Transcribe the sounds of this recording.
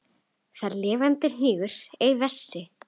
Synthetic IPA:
θaɾlɪːvant̪ɪɾ̥ɦiːɣʏɾ̥ejvɛsːɪ

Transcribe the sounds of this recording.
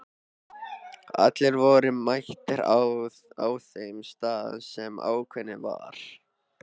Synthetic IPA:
a̰t̪lɪɾvɔːɾʏmajht̪ɪɾa | aːwθejmst̪aːða̰nsɛma̰ːwkʰvɛnːɪva̰ɾ̥

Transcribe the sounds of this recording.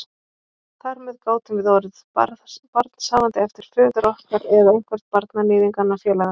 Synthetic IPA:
θaɾmɛðkoːwt̪ɪmvɪðoːwɾɪð | a̰ðpaɾt̪nsaːvant̪ɪɛft̪ɪɾ̥fʏːðʏɾɔhkaɾɛðewŋ̥kʰvɛɾ̥t̪̚paɾt̪nanɪːðiŋkanːafjɛːlaɣa

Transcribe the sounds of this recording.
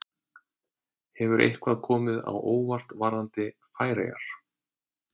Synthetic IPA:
hɛvʏɾʔḛjhkvaðkʰɔːmɪða̰wʔoːwvar̥t̪vaɾðant̪ɪfaːjɾḛja̰ɾ̥

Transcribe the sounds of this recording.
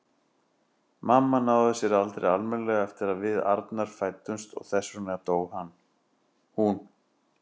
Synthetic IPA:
mamːanaːwðʏsjɛɾalt̪ɾḛalmɛnlɛɣɛft̪ɪɾaðvɪða̰ɾt̪naɾ̥faːjt̪ːʏnst̪ɔ̰ɣθɛsːʏnɛɣat̪oːwhanː | hun

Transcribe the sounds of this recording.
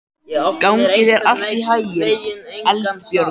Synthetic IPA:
kawŋcɪðɛɾʔal̥t̪iɦaːjʏɛlsjœɾ

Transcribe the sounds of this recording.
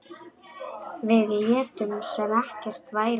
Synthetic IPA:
vɪðljɛːt̪ʏmsɛmɛhcɛr̥t̪vaːjɾ

